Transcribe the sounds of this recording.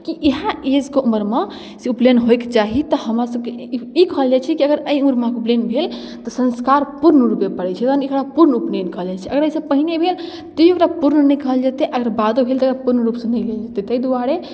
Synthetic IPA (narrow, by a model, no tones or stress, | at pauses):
kiʔeɦãed͡ʒkeuməɾme | suplenɦojkt͡ʃaɦit̪ɔhəmɾasəb̚keikəɦəld͡ʒat͡ʃʰɛkiəɡəɾəjũɾmãkuplenbʱel | t̪ɔsənskaɾpuɾnəɾupepəɽɛt͡ʃʰɛt̪anekɽapuɾnuplenkəɦəld͡ʒat͡ʃʰɛəɡəɾəjsəbpəɦinebʱel | t̪əiekɾapuɾnnəjkəɦəld͡ʒat̪eʔəɡəɾbad̪obʱelt̪ɔkɾapuɾnəɾupsə̃nəjleld͡ʒat̪et̪əid̪uaɽe